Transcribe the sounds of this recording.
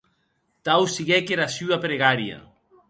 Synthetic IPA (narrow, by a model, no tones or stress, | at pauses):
t̪awsiɣɛkeɾasyapɾeɣaɾja̰